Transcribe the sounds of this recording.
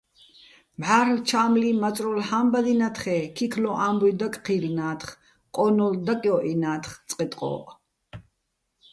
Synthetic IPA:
mʕaːɾlt͡ʃʰaːmlimat͡sʼɾɔlħambad̪inat̪ʰχɛːkʰikʰlɔʔaːmbud̪akʼqʰilnaːt̪χ | qʼɔnɔld̪akʼjɔʔinaːt̪ʰχt͡sʼqʼɛt̪ʼqʼɔ̰ʔ

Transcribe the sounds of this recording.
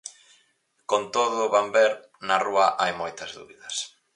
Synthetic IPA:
kont̪oðʊːβambɛɾ | naruɐʔajmojt̪ɐzðṵβiðɐs

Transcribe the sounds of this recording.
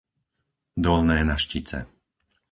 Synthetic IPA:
d̪ɔlnɛːnaʃcit͡sɛ̰

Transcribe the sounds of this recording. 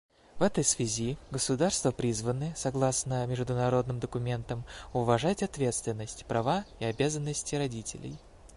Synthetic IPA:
vɛt̪əjsvʲɪzʲiɡəsʊd̪arst̪vəpɾʲizvənɨsɐɡlˠasnəmʲɪʐd̪ʊnɐɾo̞d̪nɨmd̪əkʊmʲe̞nt̪əmʊvɐʐatʲɐt̪vʲe̞t̪st̪vʲɪnːəsʲtʲpɾʔɐvaiɐbʲazənːəsʲtʲɪɾɐdʲitʲɪ̰lʲɪ̰j

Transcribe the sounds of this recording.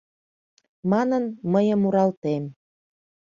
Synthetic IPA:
mɑnənməjəmuɾɑlt̪em

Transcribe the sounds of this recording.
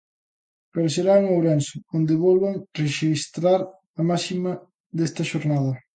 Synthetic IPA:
peɾoseɾauŋoɾɛnsʊond̪ɪβɔlβaŋreʃist̪ɾaɾ | ɐmasimɐ | d̪est̪ɐʃoɾnað̞ɐ

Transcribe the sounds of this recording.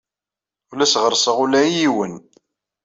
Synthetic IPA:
ʊlæsʁəɾˤsˤəʁulæijiwən

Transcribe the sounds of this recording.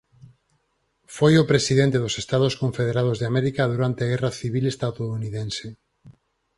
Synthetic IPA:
fojopɾesiðẽnt̪eðʊsest̪aðoskõɱfeð̞eɾað̞ozðeameɾikaðuɾant̪eaɣɛraθiβilest̪aðouniðense

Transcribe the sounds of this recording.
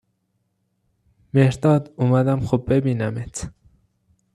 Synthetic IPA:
mehɾd̪ɒːd̪uːmæd̪æmxobːebiːnæmet̪ʰ

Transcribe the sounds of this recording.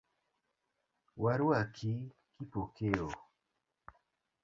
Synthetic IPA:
waɾwakʰi | kipokeo

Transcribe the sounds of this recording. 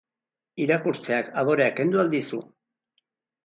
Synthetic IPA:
iɾakuɾt͡se̞akað̞o̞ɾeake̞nd̪uald̪isu

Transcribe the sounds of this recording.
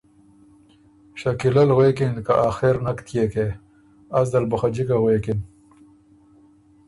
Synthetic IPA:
ɕakilɐlɣwekinkaʔaxeɾnakt̪ʰjeke | asd̪ɐlbɐxad͡ʑikaɣwekin

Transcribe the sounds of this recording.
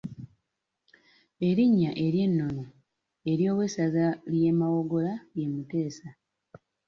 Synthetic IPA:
e̞ɾiɲːaʔe̞ɾje̞nːo̞no | eɾjo̞ːwe̞sazalje̞mawo̞ɡo̞laje̞mute̞ːsa

